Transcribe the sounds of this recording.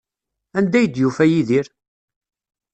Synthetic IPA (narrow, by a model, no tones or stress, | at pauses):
ænd̪æjəd̪jufæjiðiɾ